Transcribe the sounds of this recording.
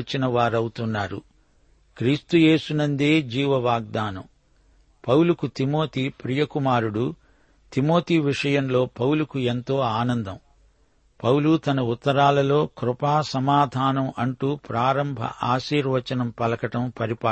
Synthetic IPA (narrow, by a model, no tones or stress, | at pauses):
t͡ʃɐnɐʋaːɾɐwut̪unːaːɾṵ | kɾiːst̪uje̞ːsunɐnd̪eːd͡ʒiːʋɐʋaːɡ̚d̪aːnɐ̰m | pɐwlukut̪imo̞ːt̪iːpɾijɐkumaːɾuɽu | t̪imo̞ːt̪iːʋiʂɐjɐmlo̞ːpɐwlukue̞nt̪o̞ːaːnɐnd̪ɐm | pɐwlut̪ɐnɐut̪ːɐɾaːlɐlo̞ːkɾupaːsɐmaːd̪ʱaːnɐmʔɐɳʈuːpɾaːɾɐmbʱɐ̰ʔaːʃiːɾʋɐt͡ʃɐnɐmpɐlɐkɐʈɐmpɐɾipaː